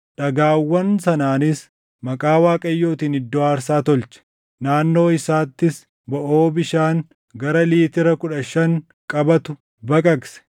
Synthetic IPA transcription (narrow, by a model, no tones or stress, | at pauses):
ᶑɐɡaːwːɐnsɐnaːnɪs | mɐkʼaːwaːkʼɐjːo̞ːt̪iːnɪd̪ːɔaːɾsaːt̪ɔlt͡ʃɛ̥ | naːnːo̞ːɪsaːt̪ːɪs | bɐʔoːbɪʃaːŋ | ɡɐɾɐliːt̪ɪɾɐkʊᶑɐʃɐŋ | kʼɐbɐt̪ʊ | bɐkʼɐksɛ̥